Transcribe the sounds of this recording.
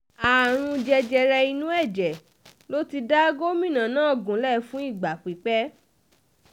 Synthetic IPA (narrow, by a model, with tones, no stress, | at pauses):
a˨ɾ̃ũ˧d͡ʒɛ˧d͡ʒɛ˧ɾɛ˧i˧nũ˦ɛ˦˨d͡ʒɛ˨ | lo˦ti˧da˦ɡo˦mĩ˦˨nã˨nãː˨˦˨ɡũ˨˦lɛ˦˨fũ˦i˦˨ɡ͡ba˨k͡pi˨k͡pɛ˦